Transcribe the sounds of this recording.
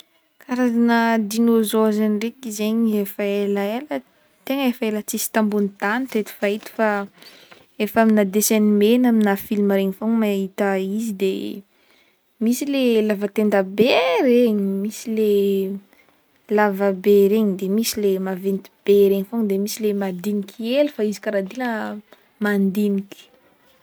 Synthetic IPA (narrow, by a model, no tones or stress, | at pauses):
kaɾazanəd̪inozoazanirekizeɲefaelaelə | t̪eŋəefəelət͡sisi̥t̪ambunit̪anit̪et̪i̥fait̪i̥fa | efaminad̪esenimenaminafilimaɾeɲifoŋmaɦit̪aizid̪e | misilelavat̪end̪əbeɾeɲimisile | lavabeɾeɲid̪emisilemavent̪i̥b̥eɾeɲifoŋd̪emisilemad̪inikʰielufaizikaɾad̪ilə | mand̪inikʲi̥